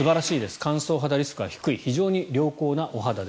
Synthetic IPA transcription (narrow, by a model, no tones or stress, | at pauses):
ɨbaɾaɕiːd̪e̞sɨ̥kãɰ̃so̞ːɦad̪aɾʲisɨ̥kɯ̟ɡaçi̥kɯiçiʑo̞ːɲ̟iɾʲjo̞ːko̞ːnaʔo̞ɦad̪ad̪